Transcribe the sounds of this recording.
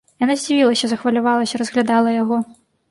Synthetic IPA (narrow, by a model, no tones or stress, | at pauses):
janazʲd͡zʲivʲilˠɐsʲɐzɐxvɐlʲavalˠɐsʲɐɾɐzɣlʲad̪alˠɐjaɣɔ